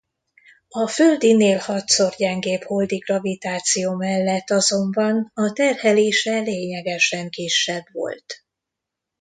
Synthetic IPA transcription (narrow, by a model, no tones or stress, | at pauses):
ɒføld̪ineːlhɒt̪so̞rɟɛŋɡeːpho̞ld̪iɡrɒvit̪aːt̪sijoːmɛlːɛt̪ːɒzo̞mbɒnɒt̪ɛrhɛleːʃɛleːɲɛɡɛʃɛŋkiʃːɛbvo̞̰lt̪